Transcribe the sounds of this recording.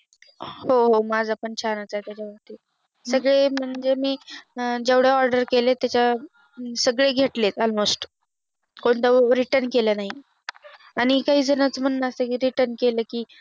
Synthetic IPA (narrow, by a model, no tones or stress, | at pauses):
hoɦomad͡zapəɳt͡ɕʰanat͡saet̪jat͡ɕaʋəɡt̪i | səɡɭem̤əɳd͡ʑemiːd͡ʑeʋɽjeɔɾɖəɾkelet̪jat͡ɕa | səɡɭeɡʱeʈlet̪ɔlmosʈ | koɳt̪əʋɾiʈəɾnkelənaɦi | aɽ̃ikaɦiːd͡zənət͡sm̤ənnasəkiɾiʈəɾnkeləːkiː